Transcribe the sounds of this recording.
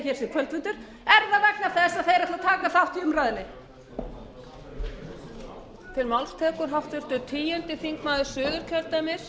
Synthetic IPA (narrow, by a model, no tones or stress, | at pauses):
çɛːɾ̥sɛkʰvœlt̪vʏnt̪ʏɾ̥ | ɛɾðavɛk̚nav̥θɛst̪aðθejɾɛft̪at̪ʰaːkaθawht̪iʏmɾaːðɪnɪ | fɪɾmawlst̪ʰɛːkʏɾ̥ɦaft̪vʏɾ̥t̪ʏt̪ʰiːjɛnt̪ɪfiŋkmaːðʏ̥sʏːɣʏɾ̥cʰœlt̪amɛɾ̥